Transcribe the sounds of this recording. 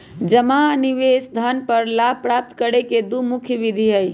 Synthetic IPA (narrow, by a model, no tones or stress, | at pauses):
d͡ʒəmaniʋeːsd̪ʱənpəɾlaːbʱpɾaːp̚t̪kəɽeked̪umʊkʰjəʋid̪ʱiɦəi